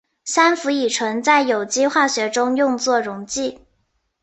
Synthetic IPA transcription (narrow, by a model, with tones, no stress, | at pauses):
sa˥nfu˧˥i˨˩ʈ͡ʂʰɤ˧˥ŋt͡sa˥˩ɪjo˨˩ʊt͡ɕi˥xwa˥˩ɕɥɛ˧˥ʈ͡ʂʊ˥ŋjʊ˥˧ŋt͡swɔ˥˩ɻʊ˧˥ŋt͡ɕi˥˩